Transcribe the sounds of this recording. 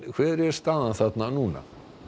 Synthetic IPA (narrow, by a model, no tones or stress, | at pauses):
kʰvɛːðɪɾɛɾ̥st̪aːðanθat̪nanuːna̰